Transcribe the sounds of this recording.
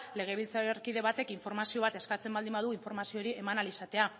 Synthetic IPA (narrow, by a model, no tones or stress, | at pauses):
le̞ɣ̞e̞βilt͡saɾerkiðe̞βat̪e̞kiɱfo̞ɾmasio̞β̞at̪e̞skat͡se̞mbald̪imbað̞uiɱfo̞ɾmasioɾiʔe̞manalisat̪e̞a